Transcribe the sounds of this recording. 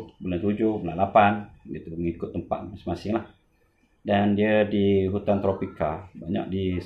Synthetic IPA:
bulaht̪ud͡ʒʊbulalapandiət̪uməŋikʊt̪ːəmpa̰t̪̚masɪŋmasɪŋlah | dandiədiɦut̪ant̪ɾopikalbaɲa̰ʔ̚di

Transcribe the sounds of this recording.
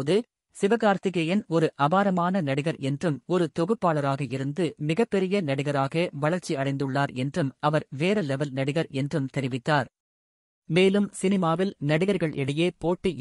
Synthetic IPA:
ðɯ | sɪʋɐɣaːɾt̪ɪɣɐjɪnɔɾɯʔɐbaːɾɐmaːnɐnɐɽɪɣɐɾɛndrɯmɔɾɯt̪ɔɣɯpːaːɭɐɾaːɣɐɪɾɯnd̪ɯmɪɣɐpːɛɾɪjɐnɐɽɪɣɐɾaːɣɐʋɐɭɐɾt͡ʃiɐɽɐɪnd̪ɯɭːaːɾɛndrɯmɐʋɐɾʋeːɾɐlɛʋɐlnɐɽɪɣɐɾɛndrɯmt̪ɛɾɪʋɪt̪ːaːɾ | meːlɯmsɪnɪmaːʋɪlnɐɽɪɣɐɾɣɐɭʔɛɽɪjeːpoːʈːi

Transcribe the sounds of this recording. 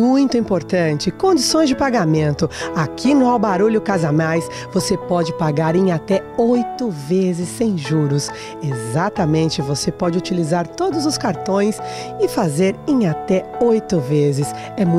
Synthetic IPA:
ũj̃t̪ʊĩpoɾt̪ɐ̃t͡ʃɪkõnd͡ʒisõj̃zd͡ʒɪpaɡamẽnt̪ʊakʰinʊawbaɾuʎʊkazanajs | vosepɔd͡ʒɪpaɡaɾẽj̃at̪ɛojt̪ʊvezɪsːẽj̃ʒuɾʊs | ezat̪ɐmẽnt͡ʃɪvosepɔd͡ʒɪut͡ʃilizaɾt̪od̪ʊzʊskaɾt̪õj̃s | ɪfazeɾẽat̪ɛojt̪ʊvezɪs | ɛmũ

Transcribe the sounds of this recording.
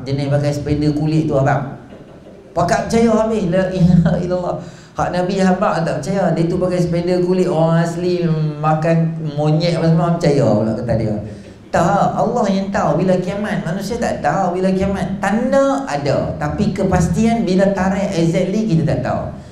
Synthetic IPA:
d͡ʒənɪhpakajsə̥pɛndəkulɪʔt̪uabaʔ̚ | pakaʔpət͡ʃajaɦabɪhləʔiilalːɔh | ha̰ʔnãbiɦabaʔat̪aʔpət͡ʃajadat̪upakajsə̥pɛndəkulɪʔoaŋaslimakanmoɲɛʔpasəmaapət͡ʃaja̰ula̰ʔkət̪adia̰ | t̪aʔalːɔhjaŋt̪awbilakiaman̚manũsiat̪a̰ʔt̪awbilakiamant̪anaada̰t̪apikəpast̪ianbilat̪aɾɛʔɛɡzɛt̪̚likit̪at̪aʔt̪a̰ṵ

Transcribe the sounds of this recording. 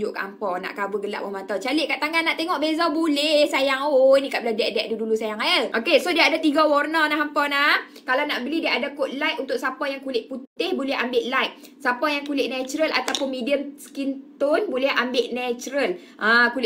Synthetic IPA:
d͡ʒʊʔka̰mpɔna̰ʔkabəɡəla̰ʔbəmat̪awt͡ʃalɪʔkaʔt̪aŋɡanaʔt̪eŋɔʔbezabulɛhsajaŋoinikaʔbiladɛʔ̚dɛʔ̚dudulusajaŋaəlʔokesodiaadat̪iɡawɔrnanaɦampɔnah | kalanaʔbəlidiaʔadakoʔ̪̚lajʔunt̪ʊk̚sapɔjaŋkulɪʔput̪ɪhbolɛɦambɪʔlajk̚ | sapɔjaŋkulɪʔnɛt͡ʃuɾəlʔa̰t̪awpʊnmidiəmskint̪ɔnbolɛhʔambɪʔnɛt͡ʃɾəl | ʔakul

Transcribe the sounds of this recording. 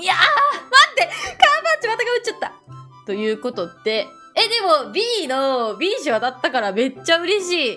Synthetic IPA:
iamat̪ːekãbãɲt͡ɕimat̪aɡaɯ̟t͡ɕːat̪ːa | t̪o̞jɯ̟ːko̞t̪o̞t̪ːe̞ | ed̪e̞mo̞bʲiːnobʲiːɕiβat̪at̪ːakaɾame̞t͡ɕːaɯ̟ɾe̞ɕiː

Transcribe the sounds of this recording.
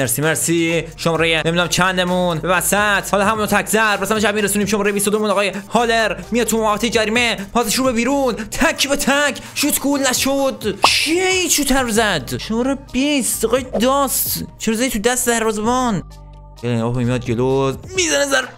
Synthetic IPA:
meɾsiːmeɾsiʃomɾejememid̪unæmt͡ʃʰænd̪emunbevæsæt̪ʰhɔːlɒɦæmuːnɔːt̪ʰækʰzæɾbæsæmʃæbmiɾesuːniːmʃomɾejebist̪od̪omunɒɣɑːjehɒːleɾmijɒːt̪̚t̪ʰumoævæt̪ʰejed͡ʒæɾiːmepʰɒːseʃɾuːbebiːɾuːnt̪ʰækʰːbet̪ʰækʰʃut̪kʰulnæʃod̪kʰieit͡ʃʰut̪ʰæɾzæd̪ʃomɔɾebist̪eɣɒjd̪ɒst̪t͡ʃʰeɾzæit̪ʰud̪æst̪ed̪æɾvɒːzemɔn | ɡelomijɒd̪̚d͡ʒelozmizænezæɾ

